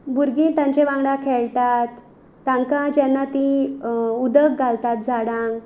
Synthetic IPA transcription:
buɾɡĩnt̪ãɲt͡ɕeʋãŋɡɽakʰeɭt̪at̪ː | ãŋkad͡ʑɛnːat̪i | ud̪əkɡʱalt̪at̪̚d͡zaɽãŋɡ

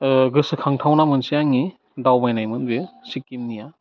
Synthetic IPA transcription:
ɡɯsɯkʰaŋtʰawnamɯnsijaŋi | dawmajnajmɯnbisikːimnija

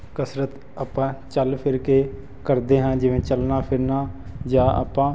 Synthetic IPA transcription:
kəsɾət̪ | aːpːãːt͡ʃəlpʰɪɾkeː | kəɾd̪eːɦãːd͡ʒɪʋẽːt͡ʃəlnaːpʰɪɾnaːd͡ʒãːʔa̰ːpːãː

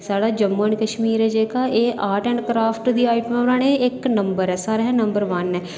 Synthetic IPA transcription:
saːɽaːd͡ʒəmːuːəɳkəʃmiːɾɛːd͡ʒeːkaːʔeːʔaːʈɛ̃ːɳɖkɾaːpʰʈd̪iːaːɪʈəmɛonaːneːɪknəmbəɾɛːsaːɾeɦɛ̃ːnəmbəɾʋənɛː

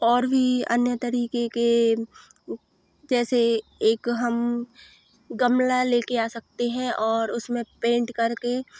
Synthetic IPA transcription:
ɔːɾbʱiə̰njət̪əɾiːkeke | d͡ʒɛːseeːkɦɐm | ɡəmlaleːkeaːsɐk̚t̪eɦɛ̃ʔɔːɾʊsmẽpẽːɳʈkɐɾke

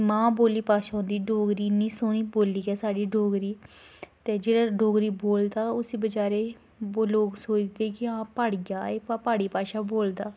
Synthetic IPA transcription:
mãːboːliːpaːʃaːõːnd̪iːɖoːɡɾiːnĩːsʊːñiːboːliːɡɛːsaːɖiːɖoːɡɾiː | t̪eːd͡ʒeːɽaːɖoːɡɾiːboːld̪aːʊsĩːbəd͡ʒaːɾeː | oloːksoːt͡ʃd̪eːkɪãːpaːɽɪɡaːeːpaːpaːɽiːpaːʃaːboːld̪aː

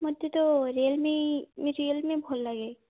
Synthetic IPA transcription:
mɔd̪ʱjet̪oɾelmẽmeɾilmẽbʱɔlːaɡe

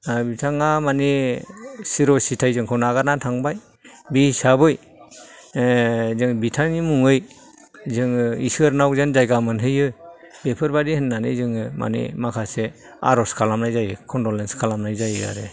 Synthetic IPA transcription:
bitʰaŋamani | siɾɔsitʰajzɯŋkʰɔwnaɡanatʰaŋbaj | bisabɯj | zɯŋbitʰaŋimuŋɯj | zɯŋisɯaɾnawzanzajɡamɯnɦɯjɯ | bepʰɯɾbadihɯnːanɯzɯŋɯmʔa̰nḭmakʰase | a̰ɾɔskʰalamnajzajɯkʰɔndɔlenskʰalamnajzajɯa̰ɾɯ

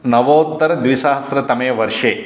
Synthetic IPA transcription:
nɐʋoːt̪ːəɾd̪ʋiʃaɦɐsɾɐt̪ɐmeːʋəɾʃeː

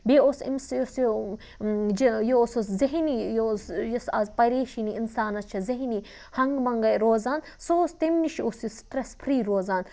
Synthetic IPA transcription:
beosḭmsjoso | d͡ʒijoososzɐɦnijosjɐsɐzpɐɾeːʃiniinsaːnɐst͡ʃʰɐzɐɦni | hɐŋɡmɐŋɡɐjɾoːzaːn | sost̪emniʃʰiosisʈɾespʰɾiːɾoːzaːn

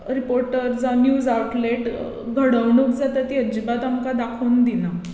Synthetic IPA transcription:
ɾipoɾʈəɾd͡zanjuːd͡zawʈleʈ | ɡʱəɽəʋɳuk̚d͡zat̪ət̪iəd͡ʑibat̪amkad̪akʰəwnd̪ina

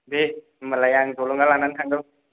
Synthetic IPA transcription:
de | məlajaŋdoluŋɡalanankʰaŋɡɯl

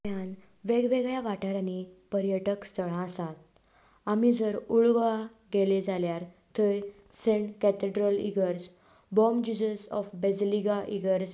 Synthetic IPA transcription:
jan | ʋeɡʋeɡɭjaʋaʈaɾanipəɾjəʈəkst̪ʰəɭ̃ãːsat̪ | amid͡zəɾuɭʋa | ɡeled͡zaljaɾ | t̪ʰəj | sẽɳʈkɛt̪eɖɾəlḭɡəɾs | bɔmd͡ʑid͡ʑəsɔ̰fbɛd͡zliɡaʔiɡəɾs

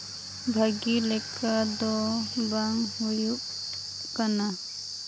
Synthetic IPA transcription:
bʱaɡilɛkʰad̪ɔbaŋhujuʔ | kana

